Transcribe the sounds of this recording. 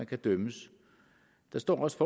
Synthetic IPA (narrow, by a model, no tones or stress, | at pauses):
ænkʰæd̥œməs | d̥ɑ̈sd̥ɒ̰ːɒsfɒ